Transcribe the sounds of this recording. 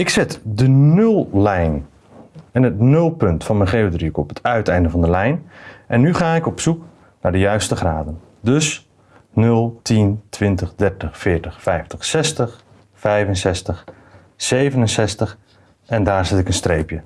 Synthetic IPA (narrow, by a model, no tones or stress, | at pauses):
ɪksɪtdənɵlˠlɛjn | ɛnɦətnɵlˠpɵntfɑnmənχeːədriɪkɔpətʰœɥtɛjndəvɑndəlɛjnʔɛnːyχaːɪkɔpsuk | naɹdəjœɥstəχraːdən | dɵs | nɵlˠtʰintʋɪntəχdɛɹtəχfɪːɹtəχfɛjftəχsɛstəχ | fɛjvənsɛstəχ | sejvənənsɛstəχ | ɛndaːɹzɪtɪkənstrejpjə